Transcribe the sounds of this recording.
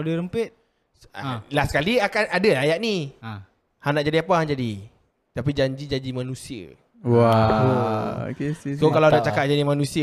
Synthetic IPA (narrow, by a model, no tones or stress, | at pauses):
adəɾəmpet̪̚ | lahsəkaliakanadəajaʔ̚ni | hanaʔd͡ʒadiapaɦand͡ʒadi | t̪apid͡ʒaɲd͡ʒid͡ʒaɲd͡ʒimanũsiə̰ | aoo̰keskokalaadaʔ̚t͡ʃakat̚d͡ʒaimanũsiə